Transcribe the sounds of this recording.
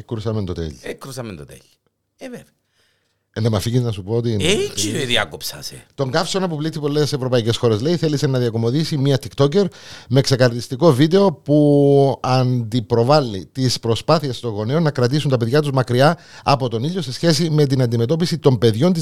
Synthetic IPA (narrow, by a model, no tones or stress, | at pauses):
kɾusɐmend̪ot̪ḛʎekɾusɐmend̪ot̪ḛʎ | evev | enðemɐfiɣiznɐsupoot̪ieoiðiɐ̰kopsɐ̰set̪o̞ŋɡɐfsonɐpuplit̪ʰːipolːesevɾo̞pɐice̞sxo̞ɾe̞zle̞iθelisenːɐðiɐko̞mo̞ðisimiɐt̪ikt̪o̞c̬e̞ɾmekse̞kɐɾt̪ist̪iko̞vid̪e̞o̞puɐnd̪ipɾo̞vɐlːit̪ispɾo̞spaθiest̪o̞ɣo̞neonɐkɾɐt̪is̬unt̪ɐpe̞ðʝɐt̪̬uzmɐkɾiɐ | ɐpo̞t̪o̞niʎːose̞sçe̞sime̞t̪̬inɐnd̪ime̞t̪o̞pisit̪o̞mbe̞ðʝo̞nt̪̬i